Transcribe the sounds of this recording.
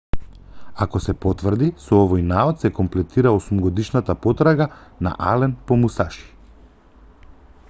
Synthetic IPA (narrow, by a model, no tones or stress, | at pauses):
akɔsɛpɔt̪vr̩d̪isɔɔvɔjnaɔt̪sɛkɔmplɛt̪iɾaosumɡɔd̪iʃnat̪apɔt̪ɾaɡana̰ʔa̰lɛnpɔmusaʃi̥